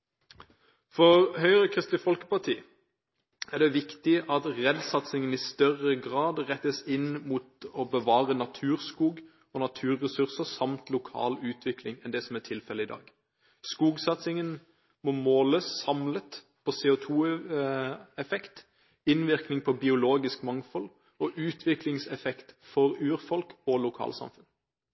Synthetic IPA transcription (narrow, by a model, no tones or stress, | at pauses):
fɔʁhœʏəʁəkʰʁɪst̪lɪfɔlkə̥pɑt̪ʰiː | æʁɖ̪ɛʋɪkt̪ɪʔɑt̪ʁɛd̪sɑt̪sɪŋənɪst̪œʁəɡʁɑːd̪ʁɛt̪ːəsɪnmuːt̪ɔbəʋɑːʁənɑt̪ʰʉːʁskuːɡ | ɔnɑt̪ʰʉːɾːɛsʉʁsəsɑmt̪lʊkʰɑ̰ːlʉːt̪ʰʋɪklɪŋɛnd̪ɛsɔmæt̪ʰɪlfɛləɪd̪ɑ̰ːɡ | skuːɡsɑt̪sɪŋən | mɔmoːləsːɑmlət̪ | pʰɔseːʊt̪ʰuː | ɛfɛkt̪ | ɪnʋɪʁknɪŋpʰɔbɪʊloːɡɪskmɑŋfɔl | ɔʔʉːt̪ʰʋɪklɪŋsɛfɛkt̪fɔʁʉːɾfɔlkɔlʊkʰɑ̰ːlsɑ̰mfʉn